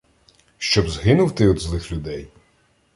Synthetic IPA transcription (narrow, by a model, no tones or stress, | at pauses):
ʃt͡ʃɔbzɦɪnʊwt̪ɪɔd̪zlˠɪxlʲʊd̪ɛj